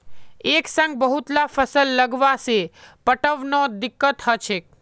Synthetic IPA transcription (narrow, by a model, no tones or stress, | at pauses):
eksə̃ŋɡ̚bəɦut̪lafəsəlːəɡʋasepəʈəʋnod̪ɪkːət̪ɦət͡ʃʰek̚